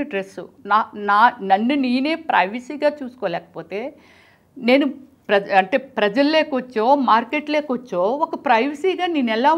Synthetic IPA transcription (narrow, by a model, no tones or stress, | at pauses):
ɖɾesunaːnaːnɐnːuniːneːpɾɐjʋɐsiːɡaːt͡ʃuːsu̥koːlɛːkɐ̥po̞ːt̪e̞ː | ne̞ːnu | pɾɐɐɳʈe̞ːpɾɐd͡ʒɐlːeːkɐʋɐt͡ʃːoːmaːɾkeʈleːkɐʋɐt͡ʃːoːɔkɐpɾɐjʋɐsiːɡaːniːnɛlaː